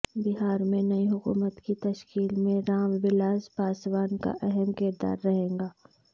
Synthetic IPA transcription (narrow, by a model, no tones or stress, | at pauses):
bɪɦaːɾmẽnɐiɦʊkṵːmət̪kit̪ɐʃkiːlmẽɾaːmʋɪlaːzpaːswaːnka̰ʔɛɦɛmkɪɾd̪a̰ːɾːɐɦẽːŋɡaː